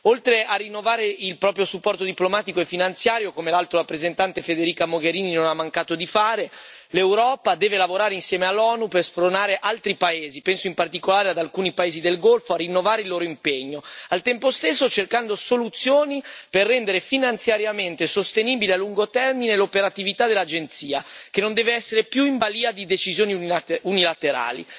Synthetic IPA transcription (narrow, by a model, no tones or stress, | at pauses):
olt̪ɾeʔarːinːovaːɾeilpɾɔːpɾjosupːɔrt̪od̪iplomaːt̪ikoefinant̪sjaːɾjokomelalt̪ɾoɾapːɾezent̪ant̪efed̪eɾiːkamoɡeɾiːninonamːaŋkaːt̪od̪ifaːɾe | lewɾɔːpad̪ɛːvelavoɾaːɾeinsjɛːmealːɔːnuperspɾonaːɾeʔalt̪ɾipaeːzipɛnsoimpart̪ikolaːɾead̪alkuːnipaeːzid̪elɡolfoarinːovaːɾeilːoːɾoimpeɲːoalt̪ɛmpost̪esːot͡ʃerkand̪osolut̪sːjoːniperːɛnd̪eɾefinant̪sjaɾjament̪esost̪eniːbilealːuŋɡot̪ɛrminelopeɾat̪ivit̪ad̪elːad͡ʒent̪siːakenond̪ɛːveɛsːeɾepjuimbaliːad̪id̪et͡ʃizjoːniunilat̪eɾa̰ːlḭ